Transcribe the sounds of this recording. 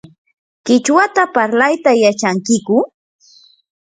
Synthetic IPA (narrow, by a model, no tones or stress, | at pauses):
kɪt͡ʃwat̪apaɾlajt̪ajat͡ʃaŋkɪkʊ